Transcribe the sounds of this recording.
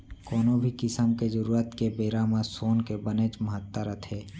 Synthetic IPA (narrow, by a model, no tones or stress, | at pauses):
koːnobʱikɪsəmked͡ʒəɾuːɾət̪kebeːɾamãsoːnkebənet͡ʃməɦət̪ːəɾət̪ʰɦeː